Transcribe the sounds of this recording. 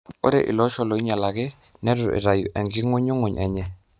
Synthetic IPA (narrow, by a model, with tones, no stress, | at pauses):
o˦ɾɛ̰˦˨ʔḭ˨lɔ˦ʃɔ˦lo˨i˦ɲa˨la˨ɡɛ˦ | nɛ˦ɾu˨ɾʔɛ̰˨ɾa˨jṵ˨ʔɛ˨ŋɡi˦ŋo˦ɲo˦ŋo˨ɲʔɛ˨ɲɛ˨